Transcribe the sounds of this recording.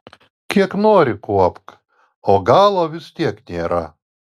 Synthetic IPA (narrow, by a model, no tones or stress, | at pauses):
kʲiɛknoːɾʲɪkuɔpk | oːɡɑːlˠoːʋʲɪst̪ʲiɛknʲeːɾɐ